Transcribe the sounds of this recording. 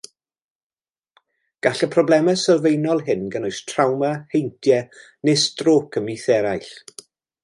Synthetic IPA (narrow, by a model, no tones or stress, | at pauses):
ɡ̥aɬəpʰrɔblˠɛmɛsəlvejnɔlˠɦɪnɡənojstʰrawmahejntʰjɛ | nɪsd̥roːkʰəmiθɛɾajɬ